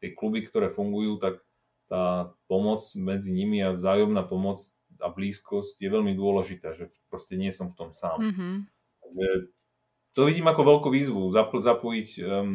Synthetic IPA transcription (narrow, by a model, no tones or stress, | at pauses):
t̪ɪɛklubikt̪ɔɾɛːfuŋɡujuːt̪ak | t̪aːpɔmɔt͡smɛd͡ziɲimiavzaːjɔmnaːpɔmɔt͡s | a̰bliːskɔscjɛʋɛʎmid̪ʊɔlɛʒit̪aːʒɛpɾɔscɛɲɪɛsɔmft̪ɔmsaːm | t̪aɡʒɛ | t̪ɔʋiɟiːmakɔʋɛlkuːʋiːzʋuzapzapɔjic